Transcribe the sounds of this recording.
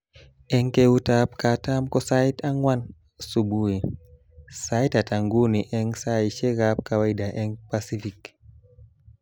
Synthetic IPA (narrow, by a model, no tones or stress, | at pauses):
ɛŋkɛutap̚katamkɔsaitaŋwan | subui | saitataŋɡuniʔɛŋsaiʃɛɣap̚kawaiɗaʔɛŋpasifik